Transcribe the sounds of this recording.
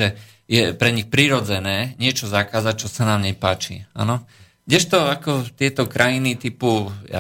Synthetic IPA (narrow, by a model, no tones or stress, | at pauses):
ɛ | jɛpɾɛɲixpɾiːɾɔd͡zɛnɛːɲɪɛt͡ʃɔzakaːzac̚t͡ʃɔsanaːmɲɛpaːt͡ʃḭa̰nɔ | ɡdɛʃt̪ɔakɔt̪ɪɛt̪ɔkɾʔajinit̪ipuja̰